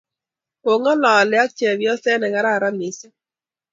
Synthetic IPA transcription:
o˨ŋɔ˦lɔ˨lɛ˨a˦t͡ʃɛ˨βjɔ˦sɛ˦nɛ˨ŋa˨ɾa˦˨ɾa˦mi˨se˦

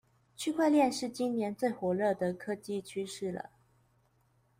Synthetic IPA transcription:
t͡ɕʰy˥˧kʰwa˥˧ɪljɛ˥˧nʂɻ̩˥˩t͡ɕi˥nnjɛ˧˥nt͡swe˥˩ɪxwɔ˨˩lɤ˥˩d̪ə˩kʰɤ˥t͡ɕi˥t͡ɕʰy˥ʂɻ̩˥˩lə̰˩

